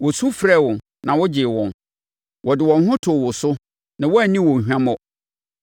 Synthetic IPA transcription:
wɔ˨su˦fɾɛ˦˨wɔ̃˨n | nã˨wɔ˦d͡ʑɪ˨wɔ̰̃˨n | wɔ˨dɪ˨wɔ̃˨nɦʊ̃˦tʰʊ˨wʊ˨sʊ˦ | nã˨wɔ˦æ˨nĩ˦wɔ̃˨ɦᶣã˦mɔ̃˦

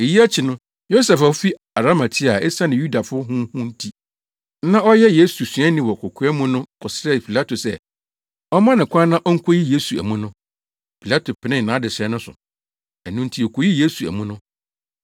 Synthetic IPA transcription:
e˨ji˦æ˦t͡ɕʰi˨nʊ̃˦ | jo˦sɛ˨fa˨˦fi˦ | a˨ɾa˦ma˨tʰi˦a˨ɛ˦sa˦nɪ̃˨ju˦da˨fʊ˦ɦʊ̃˦hũ˦n̩˦tʰi˦ | nã˦ɔ˦jɛ˦je˦su˨sɥɛ̃˦nĩ˦wɔ˨kʰʊ˨kʰʊ˦ɛ˦mũ˦nʊ̃˦kʰɔ˨sɾɛ˦pʰi˨la˦tʰo˨sɛ˦˨ | ɔ˦mã˦nɪ̃˨kʷʰã˦nã˦ʔɔ˦ŋ̩˦kʰo˦ji˦je˦su˨æ̰˨mũ˦nʊ̃˦ | pʰi˨la˦tʰo˨pʰɪ˨nɪ̃˦n˨nã˨˦dɪ˨sɛ˦nʊ̃˦sʊ̰˨ | æ˨nʊ̃˦n̩˦tʰi˦ɔ˨kʰo˨˦ji˦je˦su˨æ̰˨mũ˦nʊ̃˦

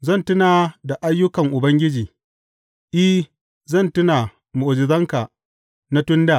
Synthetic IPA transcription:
zɐ˦˨ntʊ˦naː˨da˨ʔa˦jːʊ˦kɐ˨ŋʔʊ˨bɐ˦ŋɡʲɪ˦d͡ʒiː˨ | ʔi˦ | zɐ˦˨ntʊ˦naː˨ | mʊ˨ʔo˨d͡ʒɪ˨zɐ˦ŋka˨ | na˦tʊ˦ndaː˦˨

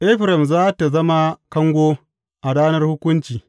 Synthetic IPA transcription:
ʔɛ˦ɸɾɛ˨mzaː˦ta˨zɐ˦ma˦kɐ˦ŋɡʷoː˦ | ʔa˨ɽaː˦nɐ˦rhʊ˦kʷʊ˦nt͡ʃiː˨

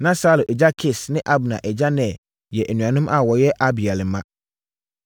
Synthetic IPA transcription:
nã˦sa˦lo˨ʔɛ˨d͡ʑa˦kʰɪ˨snɪ̃˦ʔa˦bnã̰˨ʔɛ˨d͡ʑa˦nɛ̃˨ | jɛ˨ʔe˨nũ˨ã˨nʊ̃˦mʔa˦˨wɔ˨jɛ˦ʔa˦bi˨a˨lɪ˨mã˦

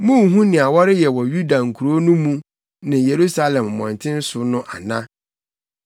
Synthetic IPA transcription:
mũ˦˨˦ɦũ˦nɪ̃˨a˨wɔ˦ɾɪ˦jɛ˨wɔ˨ju˦da˨ŋ̩˨kʰu˨ɾo˦nʊ̃˦mũ˦ | nɪ̃˨je˨ɾu˦sa˦lɛ̃˨m˨mɔ̃˨ntʰɪ̃˦n̩˦sʊ˨nʊ̃˦ʔa̰˨nã˦

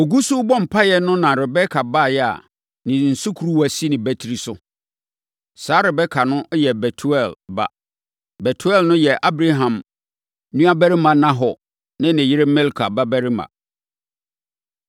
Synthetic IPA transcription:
o˨ɡu˦sʊ˦bɔ̃˦m̩˨pʰa˦jɛ˦nʊ̃˦nã˨ɾɪ˨bɛ˦kʰa˨baː˦˨jɛ˦a̰˨ | nɪ̃˨n̩˨su˦kʰu˨ɾu˦wæ˨si˦nɪ̃˨bæ˦tʰi˨ɾi˨sʊ˦ | saː˨˦ɾɪ˨bɛ˦kʰa˨nʊ̃˦jɛ˨bɛ˨tʰu˦ɛ˦˨lba̰˦ | bɛ˨tʰu˦ɛ˦˨lnʊ̃˦jɛ˨ʔa˦bɾa˦ɦã˨m | nũ˦a˦bæ˦ɾɪ˦mã˨nã˦ɦɔ˨ | nɪ̃˦nɪ̃˨jɪ˦ɾe˦mɛ˦lkʰa˨ba˦bæ˦ɾɪ˦mã̰˨

